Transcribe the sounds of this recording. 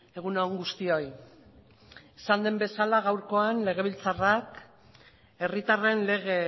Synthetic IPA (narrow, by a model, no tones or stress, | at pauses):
e̞ɣ̞unoŋɡust̪io̞j | esand̪e̞mbe̞salaɣ̞awɾko̞anle̞ɣ̞e̞βilt͡sarak | e̞rit̪are̞nle̞ɣe